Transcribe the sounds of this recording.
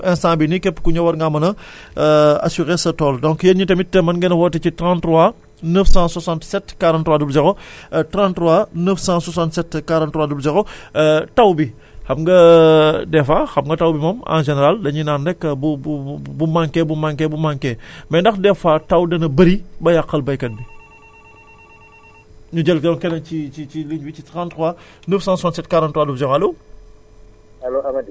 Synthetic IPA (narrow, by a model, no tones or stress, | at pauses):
ɛnsãːbinikɛpːkuɲɐwɐɾŋɡamɐnɐ | ɐ̰suɣesɐtɔːldɔ̃ŋkjeɲitɐmitːɛmɐnɡɛnɐwɔtːɐcitɾãntɾua | nəfsãswɐsãntsɛtkaɾãntːuwadubd͡ʒɛxɔtɾãntɾuanəfsãsɔsãntsɛtkaɾãntːwaːdubld͡ʒɛxɔtɐwbi | xɐmŋɡɐ | dɛfaːxɐmŋɡɐtɐwbimɐmã̰ʒɛnɛɾaldɐɲinaːndɛkːɐbububumaŋkɛbumaŋkɛbumaŋkɛːmɛndɐxdɛfaːtɐwdɐnɐbɐɾibɐjaqːɐlbɐjkɐt̚bi | ɲuɟɛlkɛkɛnɐnt͡ʃit͡ʃit͡ʃiliɲbicitantɾuwaː | nəːfsãːsusaːntsɛt̚kaɾantuwaːdubd͡ʒɐxɔɐloː | ɐloɐm